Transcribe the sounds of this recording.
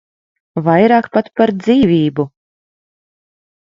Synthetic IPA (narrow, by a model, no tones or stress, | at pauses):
vajɾɑːkpat̪paɾd̪ziːvʲiːbu